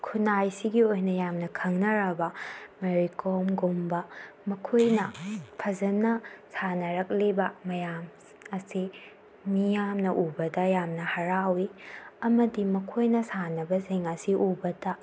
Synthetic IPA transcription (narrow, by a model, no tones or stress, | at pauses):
kʰunajsiɡiojnɐjamnɐkʰɐŋnɐɾɐbɐmeɾikʰomɡumbɐmɐkʰojnɐpʰɐzɐnɐsanɐɾɐk̚libɐmɐjam | ɐsi | mijamnɐʔubɐdɐjamnɐhɐɾawiɐmɐdimɐkʰojnɐsanɐbɐziŋɐsiʔubɐdɐ